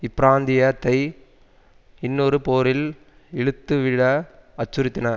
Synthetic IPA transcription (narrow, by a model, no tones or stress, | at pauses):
ɪpːɾaːnd̪ɪjɐt̪ɐɪ | ɪnːɔɾɯpoːɾɪl | ɛɻɯt̪ːɯʋɪɽɐɐt͡ʃːʊɾɪt̪ːɪnɐ